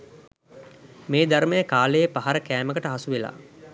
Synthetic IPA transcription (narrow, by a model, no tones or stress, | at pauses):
meːd̪aɾmejəkaːləjəpaɦaɾəkæːməkəʈəɦasuʋela̰ː